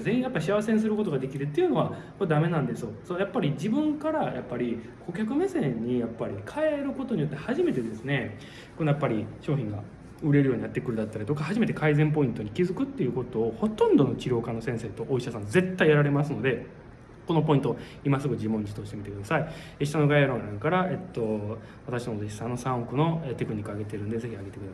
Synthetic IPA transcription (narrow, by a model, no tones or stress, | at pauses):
zẽĩjapːaiɕiaβaseɲ̃sɨɾɯ̟ko̞t̪o̞ɡad̪e̞kʲiɾɯ̟t̪ːe̞jɯ̟no̞βakod̪ame̞nãnd̪e̞sɨjosojapːaɾʲid͡ʑibɯ̟̃ŋkaɾajʔapːaɾʲi | kʰo̞kʲakɯ̟me̞sẽ̞ɲ̟ːijapːaɾʲikʰaeɾɯ̟ko̞t̪o̞ɲijo̞t̪ːe̞haʑime̞t̪e̞d̪e̞sɨne̞ | ko̞nojapːaɾʲiɕo̞ːçʲĩŋɡa̰ | ɯ̟ɾe̞ɾɯ̟jo̞ːɲ̟inat̪ːe̞kɯ̟ɾɯd̪at̪ːaɾit̪okahaʑime̞t̪e̞kaizẽ̞mp̬o̞ĩnt̪o̞ɲ̟ikʲizɨkɯ̟t̪ːejɯ̟ko̞t̪o̞ːho̞t̪õ̞nd̪o̞no̞t͡ɕiɾʲo̞ːkanːo̞sẽ̞ɰ̃seːt̪o̞ʔːiɕasãnd͡ze̞t̪ːaijaɾaɾe̞masɨno̞d̪e̞ | ko̞no̞po̞ĩnt̪o | imasɨɡod͡ʑimõɲt͡ɕi̥t̪oɕit̪e̞mit̪e̞kɯ̟d̪asaieɕi̥t̪ano̞ɡajaɾõnãŋkaɾae̞t̪ːo̞ | βat̪akɕinod̪eɕi̥sãnːosãɰ̃okɯ̟no̞et̪e̞kɯ̟ɲ̟ikːɯaɡe̞t̪e̞ɾɯ̟̃nd̪e̞ze̞çiaɡe̞t̪ekɯd̪as